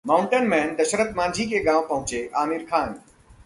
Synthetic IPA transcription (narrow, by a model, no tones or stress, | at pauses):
maːʊ̃ɳʈənmɛ̃ːnd̪ɐʃəɾət̪mãːɲd͡ʑʱikeɠãːʋpɐ̃ɦʊ̃t͡ɕeʔaːmɪɾkʰãːn